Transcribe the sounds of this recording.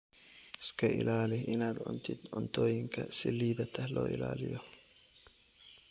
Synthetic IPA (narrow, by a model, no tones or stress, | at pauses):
ʔɪskʰɐʔɪ̰laːlɪʔɪnaːd̪ʕʊ̰nt̪ʰɪd̪ʕʊnt̪ʰɔːjɪŋkʰɐ̰sɪliːðɐt̪ʰɐhlɔ̰ːʔɪ̰la̰ːlɪ̰jɔ